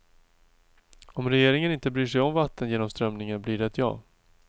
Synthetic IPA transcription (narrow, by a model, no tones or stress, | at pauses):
ɔmɾɛjeːɾɪŋənɪnt̪əbɾyːʂɛjɔmvat̪ʰːənjeːnɔmst̪ɾœmnɪŋənblɪːɖɛɛt̪ʰjɑ̰ː